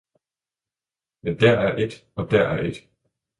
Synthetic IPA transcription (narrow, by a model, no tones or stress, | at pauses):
mend̥æɐæɐʔe̝d̥ɒ̽d̥æɐ̰æɐe̝d̥